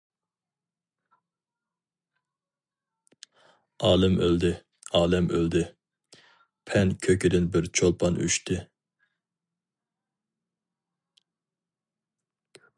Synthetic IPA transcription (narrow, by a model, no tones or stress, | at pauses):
ɑːlˠɨmøld̪ɪ | ɑːlˠɛmøld̪ɪ | pʰɛnkʲʰøkʲɪd̪ɪnbɪɾt͡ʃʰolˠpʰɑnʔy̰ʃt̪ʰɪ